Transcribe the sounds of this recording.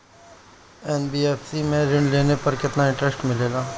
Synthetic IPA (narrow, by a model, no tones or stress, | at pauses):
ɛːnbiːeːfsimẽɾɪɳɖleːnepɐɾkɪt̪naɪ̃ɳʈɾesʈmɪleːlaː